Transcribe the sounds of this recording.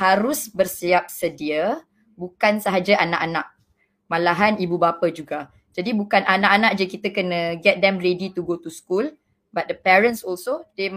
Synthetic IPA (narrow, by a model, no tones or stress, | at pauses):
haɾʊsbərsiap̚sədiə | bukansəɦad͡ʒaʔanaʔanaʔ̚ | mãlaɦanibubapad͡ʒuɡa | d͡ʒadibukanʔanaʔanaʔ̚d͡ʒəkit̪əkənə̃ɡɛt̪̚d̪ɛmredit̪uɡot̪uskul | bat̪̚dəpɛɹənsɔlsode